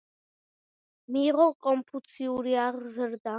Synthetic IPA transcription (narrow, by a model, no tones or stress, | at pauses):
miːʁɔkʼɔmpʰut̪sʰiuɾiaʁzəɾd̪a